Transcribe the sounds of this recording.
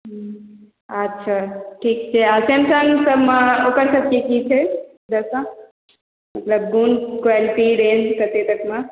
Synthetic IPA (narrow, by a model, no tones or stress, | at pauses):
ɦ | ɐtːʃʰaʈʰiːk̚t͡ʃʰeasemsãŋɡsɐbʱmãoːkəɾsɐb̚ʱkekit͡ʃʰe | d̪ɐsã | mɐt̪ləb̚ɡunkwaːliʈiɾẽːnd͡ʒkɐɾt̪et̪ɐkmã